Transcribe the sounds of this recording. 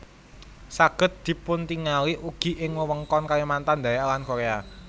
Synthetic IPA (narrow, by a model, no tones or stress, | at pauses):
saɡ̥ə̤t̪̚d̪̥i̤pʊnt̪iŋaliʔuɡ̥i̤ʔɪŋwəwəŋkɔnkalimant̪and̪ajaʔlankoɾea